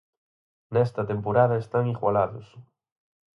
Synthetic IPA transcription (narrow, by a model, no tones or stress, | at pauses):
nɛst̪ɐt̪empoɾaðɐest̪aŋiɣwalaðʊs